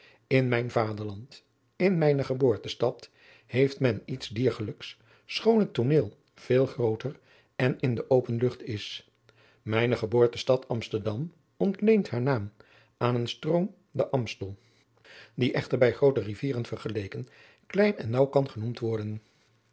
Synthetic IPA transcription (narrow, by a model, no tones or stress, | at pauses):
ɪnmɛjnvaːdəɹlɑnt | ɪnmɛjnəχəboːɹtəstɑt | hejftmɛnitszdiːɹχələks | sχownɦətoneːlˠ | v̥eːlˠχrowtər | ɛnɪndəʔowpənlɵχtɪs | mɛjnəχəboːɹtəstɑtʰɑmstəɹdɑm | ɔntlejntɦaːɹnaːm | aːnənstrowm | dəʔɑmstəlˠ | diʔɛχtəɹbɛjχrowtəriviːrənv̥əɹχəlejkən | klɛjnɛ̰nːɑwkɑnχənumtʋɔɹdən